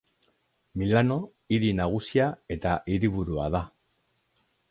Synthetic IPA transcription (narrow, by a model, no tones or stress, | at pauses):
milano̞ | iɾinaɣ̞usiae̞t̪aʔiɾiβuɾua̰ða